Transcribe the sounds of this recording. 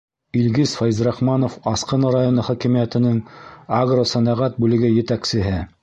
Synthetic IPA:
ilɡisfɑjzɾɑχmɑnofɑsqɤ̆nɤɾajonɤχɒkɘ̆mijæt̪ɘ̆nɘŋaɡrosænæʁæt̪̚bʉlɘ̆ɡɘjɘ̆t̪æksɘ̆ɦɘ

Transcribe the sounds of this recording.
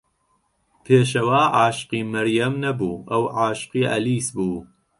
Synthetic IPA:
pʰeːʃ̬ɐwaːʕaːʃqiːmɐɾjɐmnɐbuːʔɐwʕaːʃqiːʔɐ̰liːsbuː

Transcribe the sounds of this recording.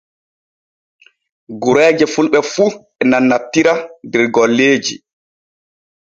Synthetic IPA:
ɡuɾɛːd͡ʒɛfulɓɛfu | ɛnanːatːiɾadɛɾɡɔlːeːd͡ʒḭ

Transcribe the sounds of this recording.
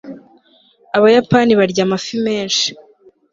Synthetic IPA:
aβajapaːniβaɾɟaːmafime̞ːnʃi̥

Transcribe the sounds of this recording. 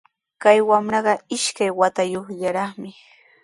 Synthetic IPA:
kajwamɾɑɢɑɪʃkajwat̪ajoχʎaɾɑχmɪ

